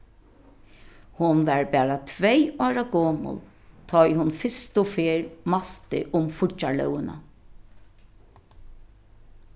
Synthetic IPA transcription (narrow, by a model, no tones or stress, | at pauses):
hʊnʋɛɹbɛːɹat̪ʰʋɛjɔːɹaɡɔːmʊ̰l | t̪ʰɔjhʊnfɪst̪ʊfeːɹmaɬt̪ɪ̰ʔʊmfʊalœ̰wɪna̰